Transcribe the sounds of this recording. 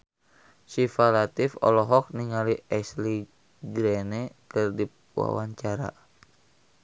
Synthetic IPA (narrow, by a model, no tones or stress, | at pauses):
sifalat̪ifɔ̰lɔɦɔk̚niŋaliɛsli | ɡɾɛnɛkɨrdi | uwa̰waɲt͡ʃaɾa̰